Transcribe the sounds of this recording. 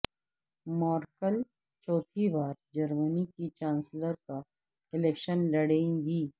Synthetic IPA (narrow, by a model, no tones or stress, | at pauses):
mɔːɾkəl | t͡ʃɔːt̪ʰibaːɾd͡ʒɐɾmənikit͡ʃãːnsləɾka | ɪleːkʃənlɐɽẽːŋɡiː